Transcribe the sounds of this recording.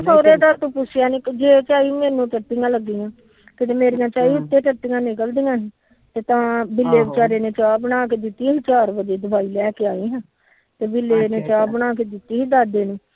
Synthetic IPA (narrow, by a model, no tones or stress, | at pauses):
soːɾeːd̪aːɾt̪õːpʊt͡ʃʰːjaːneːkd͡ʒeːt͡ʃaːiːmeːnũːʈəʈːɪjãːləɡːiːjãː | kɪt̪eːmeːɾijãːt͡ʃaːiːʊt̪ːeːʈəʈːijãːnɪkəld̪ijãːɦɛː | t̪eːt̪ãːbɪlːeːbɪt͡ʃaːɾeːneːt͡ʃaːbəñaːkeːd̪ɪt̪ːiːɦiːt͡ʃaːɾʋəd͡ʒ̪eːd̪əbaːiːlɛːkeaːiːɦɛ̃ː | t̪eːbɪlːeːneːt͡ʃaːbənaːkeːd̪ɪt̪ːiːɦiːd̪aːd̪eːnẽː